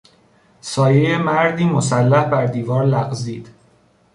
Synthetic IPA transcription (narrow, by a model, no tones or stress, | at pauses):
sɒːjejemæɾd̪iːmosælːæhbæɾd̪iːvɒːɾlæɣziːd̪̥